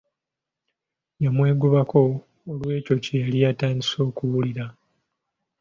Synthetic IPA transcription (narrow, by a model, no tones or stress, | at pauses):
jamwe̞ːɡuβako̞ː | lwe̞ːco̞cejalijataːɲɟiso̞ːkuwuliɾa